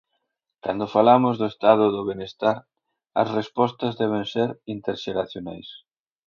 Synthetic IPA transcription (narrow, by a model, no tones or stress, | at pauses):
kand̪ʊfalamʊzðʊest̪aðʊðʊβenest̪aɾ | ɐ̰srespɔst̪ɐzðɛβ̞enseɾint̪eɾʃeɾaθjona̰js